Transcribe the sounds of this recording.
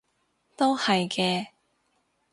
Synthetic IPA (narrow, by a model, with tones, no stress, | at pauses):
t̪o˥whɐ˨jkɛː˧